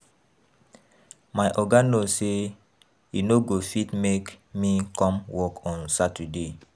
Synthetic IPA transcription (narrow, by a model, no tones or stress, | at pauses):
majʔɔɡanose | jinoɡofitmekmikɔ̃mwɔkɔ̃nsatide